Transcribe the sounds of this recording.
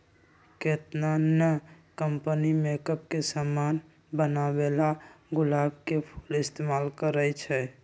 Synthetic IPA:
ket̪nanjə | kəmpənimekəp̚kesəman | bənabelaɡʊlaːbkepʰu̥lɪst̪emalkəɾət͡ʃʰɛ

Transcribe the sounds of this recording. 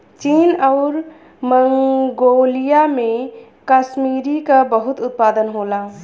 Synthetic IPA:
t͡ʃiːnɔʊɾ | məŋɡoːlijamẽ | kaʃmiːɾikabəɦʊt̪ʊt̪̚paːd̪ənɦoːla

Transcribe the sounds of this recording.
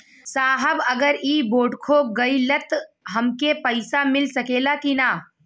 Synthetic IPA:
saːɦəbɐɡəɾiːboːɖkʰoɡɐilət̪ɦɐmkepəɪsamɪlsɐkeːlakinaː

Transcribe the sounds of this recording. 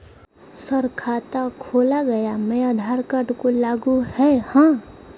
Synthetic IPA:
səɾkʰaːt̪akʰoːlaɡəjamɛad̪ʱaːɾkəʈkolaːɡuhɛhãː

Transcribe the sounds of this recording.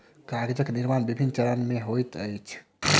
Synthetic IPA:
kaɡed͡ʒəkniɾmanbibʱinːt͡ʃəɾənmeɦojt̪əjt͡ʃʰ

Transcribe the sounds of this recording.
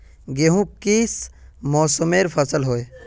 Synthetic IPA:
ɡeɦũkismɔːsəmeːɾpʰəsəlɦoe

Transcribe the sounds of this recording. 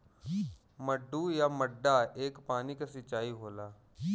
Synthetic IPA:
məɖːujaməɖːaeːkpaːnikasɪt͡ʃːaːiɦoːlaː

